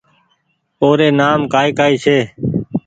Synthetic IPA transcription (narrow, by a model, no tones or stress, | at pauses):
poːɾeːnaːmkaːiːkaːiːt͡ʃʰeː